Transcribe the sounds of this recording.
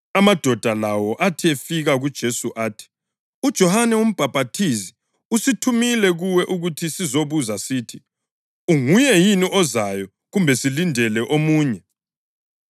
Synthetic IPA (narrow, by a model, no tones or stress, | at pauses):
amad̥ʱɔd̥ʱalawɔʔatʰiefiɣaɣud̥ʒ̥ʱesuʔaːtʰi̥ | ud̥ʒ̥ʱɔhanɛum̩b̥ʱab̥ʱatʰisi | usitʰumilɛɣuwɛʔuɣutʰisizoβuzasiːtʰi | uŋujɛjiniʔɔzajɔ | ɣumbʱɛsilindʱɛlɛʔomuːɲɛ